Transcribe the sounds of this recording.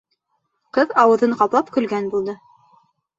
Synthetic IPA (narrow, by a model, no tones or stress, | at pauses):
qɤðɑwɤ̆ðɤɴqɑplˠɑpkɵ̆lɡænbulˠd̪ɤ